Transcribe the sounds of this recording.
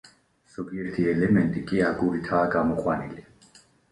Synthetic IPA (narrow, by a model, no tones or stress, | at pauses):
z̥ɔɡiɛɾt̪ʰiɛlɛmɛnt̪ʼikʼiaɡuɾit̪ʰaːɡamɔqʼwanili